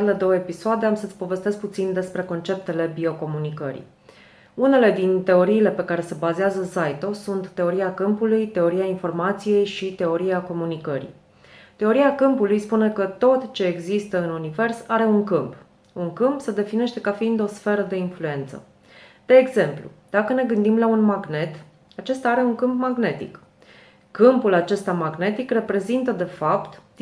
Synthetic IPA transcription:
led̪o̞wəepisoad̪e̞amsət̪sʲpo̞ve̞st̪e̞sk̚put̪sind̪e̞spɾe̞ko̞nt͡ʃe̞p̚t̪e̞le̞bio̞ko̞munikə̰ɾḭ | une̞le̞d̪int̪e̞o̞ɾiːle̞pe̞kaɾe̞se̞bazeazəsajt̪o̞sunt̪ːe̞o̞ɾiakɨmpulujt̪e̞o̞ɾiainfo̞rmat̪sije̞jʃit̪e̞o̞ɾiako̞munikəɾḭ | t̪e̞o̞ɾiakɨmpulujspune̞kət̪o̞t̪t͡ʃe̞ːɡzist̪əɨnunive̞rsaɾe̞uŋkɨmp | uŋkɨmpsəd̪e̞fine̞ʃt̪e̞kafiind̪o̞sfe̞ɾəd̪e̞influe̞nt̪sə̰ | d̪̥e̞ːɡze̞mplṵd̪̥akəne̞ɡɨnd̪imlaunmaɡne̞t̪ | at͡ʃe̞st̪aaɾe̞uŋkɨmpmaɡne̞t̪ḭk | kɨmpulat͡ʃe̞st̪amaɡne̞t̪ikre̞pɾe̞zint̪əd̪e̞fapt̪

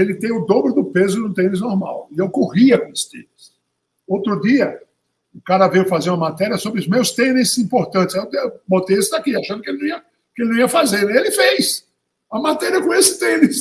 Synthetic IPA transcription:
elɪt̪ẽj̃ʊd̪obɾʊd̪ʊpezʊnʊ̃t̪ẽnɪznoɾma̰wɪewkoʁiɐkõest̪ḛ̃nɪs | owt̪ɾʊd̪iɐ | ʊkaɾɐvejwʊfazeɾũɐmat̪ɛɾiɐsobɾɪʊzmewst̪ẽnɪsĩpoɾt̪ɐ̃nt̪ɪ̥zɛwd̪bõt̪ejesʊd̪akiaʃɐ̃nd̪ʊkelɪñiɐ | kɪelɪnũiɐfazeɾelɪfejs | ɐmat̪ɛɾiɐkõesɪ̥t̪ẽnɪs

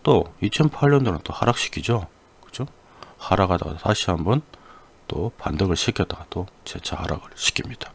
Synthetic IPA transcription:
t͈oit͡ɕʰʌnpʰaɭɲʌndoɾɯnt͈ohaɾak̚ɕ͈i̥kʰid͡ʑo | kɯd͡ʑo | haɾaɡada̰ɡa̰taɕʰihambʌn | t͈opandɯɡɯɭɕʰikʰjʌt͈aɡatot͡ɕet͡ɕʰahaɾa̰ɡɯɭɕʰi̥kʰimɲid̥ḁ

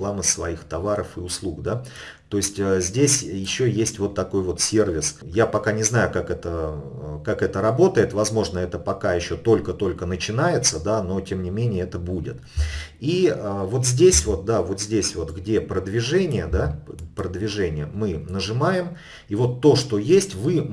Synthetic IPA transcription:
lˠaməsvɐixt̪ɐvaɾəfɨʊslˠukd̪at̪o̞ɪsʲtʲəzʲdʲesʲjɪɕːo̞jesʲtʲvo̞t̪ːɐko̞jvo̞t̪sʲe̞rvʲɪsjapɐkanʲɪznajʊkakɛt̪əkakɛt̪əɾɐbo̞t̪əjɪt̪vɐzmo̞ʐnəɛt̪əpɐkajɪɕːo̞t̪o̞lʲkət̪o̞lʲkənət͡ɕɪnajɪt̪səd̪ano̞tʲemnʲɪmʲenʲɪjəɛt̪əbudʲɪ̰t̪ | iəvo̞t̪zʲdʲesʲvo̞t̪̚d̪avo̞t̪zʲdʲesʲvo̞t̪ɡdʲe̞pɾəd̪vʲɪʐɛnʲɪjəd̪apɾəd̪vʲɪʐɛnʲɪjəmɨnəʐɨmajɪm | ivo̞t̪ːo̞ʂt̪o̞jesʲtʲvɨ

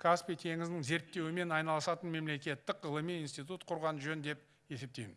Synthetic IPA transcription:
kʰaspʲit̪ʰe̞ŋɪzd̪ɪŋze̞ɾt̪ːe̞wɪme̞nɑjnɑlˠəsɑt̪ənme̞mle̞kʲe̞t̪ːɪkəlˠəmiinst̪it̪̬ut̪qʰʊɾʁɑnʒɵnd̪e̞p̚ | je̞se̞p̚t̪ejmɪn

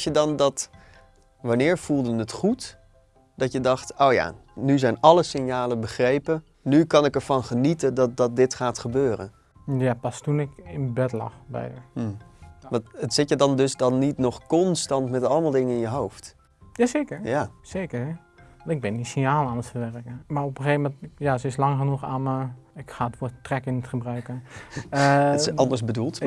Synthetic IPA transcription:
sjədɑndɑt | ʋanɪːɹv̥ulˠdənətχut | d̥ɑtjədɑχtowja̰ːnyzɛjnɑləsɪnjaːləbəχrejpə | nykɑnɪkɛɹvɑnχənitədɑt̚dɑt̚dɪtχaːtχəbøːrə̰n | japɑstunɪkɪnbɛtlɑ̰χbɛ̰jəʋɑntətsɪtjədɑndɵsdɑnːitnɔχkɔnstɑntmɛtɑləmaːlˠdɪŋəɪnjəɦowft | jaːseːkərjaseːkəɹɛ | ʋɑnɪɡ̚bɪndisɪnjaːlˠanəstəʋɛrkəmarɔpəxeːvmɛntjasəɪslɑŋxənuxaːməɪkxaːətʋotrɛkɪnətχəbrœɥkə | ɑndəɹsbədulˠt

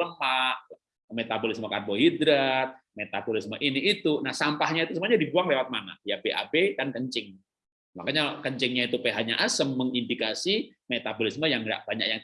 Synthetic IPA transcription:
ləmaʔ | met̪abolɪsmokarboɦid̪ɾat̪̚met̪abolɪsmoʔiniit̪unahsampahɲait̪usəmuaɲadibuaŋlewat̪̚maŋa̰jabeʔa̰bedankəɲt͡ʃɪŋ | makaɲakəɲt͡ʃɪŋɲait̪upeɦaɲaʔasəmːəŋindikasimet̪abolɪsməjaŋɡa̰ʔbaɲa̰k̚jaŋ

